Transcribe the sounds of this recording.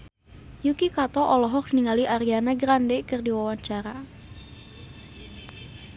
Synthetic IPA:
jukikat̪ɔʔɔlɔɦɔk̚niŋaliʔaɾianaɡɾandɛkərdiwawaɲt͡ʃaɾa

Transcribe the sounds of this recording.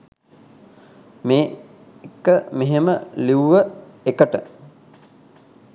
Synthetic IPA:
meː | ekːəmeɦeməliuʋəekəʈə

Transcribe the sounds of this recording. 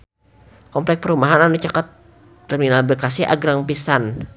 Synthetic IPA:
kɔmplɛk̚pəɾumaɦananut͡ʃakat̪ː | ərminalbəkasiʔa̰ɡɾaŋpisan

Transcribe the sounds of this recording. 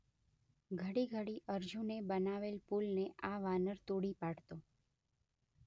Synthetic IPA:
ɡʱəɽiɡʱəɽiʔəɾd͡ʒʱũnebənaʋelpulneʔaʋanəɾt̪oɽipaɽt̪o

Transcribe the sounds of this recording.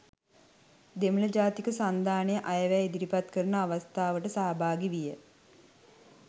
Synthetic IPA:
d̪emələd͡ʒaːt̪ikəsand̪ʱaːnejəʔajəʋæed̪iɾipat̪kəɾunəaʋast̪ʰaːʋəʈəsaːabʱaːɡiʋijə

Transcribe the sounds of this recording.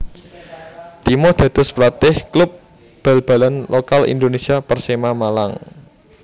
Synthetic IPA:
t̪imɔd̪̥ä̤d̪̥ʊ̤splat̪ɪhklʊp̚ | b̥a̤lb̥a̤lanlokalḭnd̪onesiapərsemamalaŋ

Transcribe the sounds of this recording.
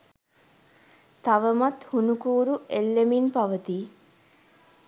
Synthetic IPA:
t̪aʋəmat̪hunukuːɾuelːeminpaʋət̪iː

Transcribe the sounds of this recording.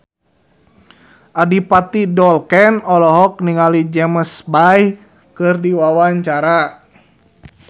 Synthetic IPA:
ʔadipat̪idɔlkɛnɔlɔɦɔk̚niŋalid͡ʒɛməsbaj | kɨrdiwawaɲt͡ʃaɾa

